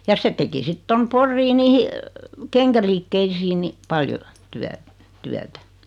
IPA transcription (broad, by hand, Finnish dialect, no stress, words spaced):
jɑ se teki sit tom porːiː niːhi keŋkæliːkːeisiːn ni pɑljo tyæ tyætæ